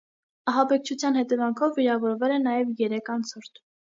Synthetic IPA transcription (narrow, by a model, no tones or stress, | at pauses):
ɑɦɑbɛk̚t͡ʃʰut͡sʰjɑnhɛt̪ɛvɑŋkʰɔvːiɾɑvɔɾvɛlɛnɑjɛvjɛɾɛkʰɑnt͡sʰɔɾt̪ʰ